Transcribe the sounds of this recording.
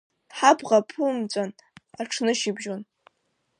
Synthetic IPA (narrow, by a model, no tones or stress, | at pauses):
ħabʁapʰumt͡sʷʼan | aʈ͡ʂʰnɨʃibʒon